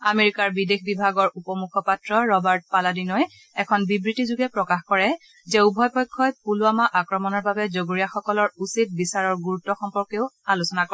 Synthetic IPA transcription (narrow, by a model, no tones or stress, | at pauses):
ameɹikaɹbidexʰbibʱaɡɔɹupɔmukʰɔpatɹɔɹɔbaɹt̚paladinɔj | ɛkʰɔnbibɹitizuɡɛpɹɔkaxkɔɹɛ | zɛubʱɔjpɔjkʰːɔjpulʊamaʔakɹɔmɔnɔɹbabɛzoɡuɹijaxɔkɔlɔɹusit̚bisaɹɔɹɡuɹutːɔxɔmpɔɹkeʊalusɔnak